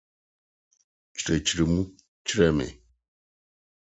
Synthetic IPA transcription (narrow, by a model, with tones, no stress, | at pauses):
t͡ʃi̥˨ɾe˨t͡ʃi˨ɾe˨mu˦ | t͡ʃi˦ɾe˨mḛ˨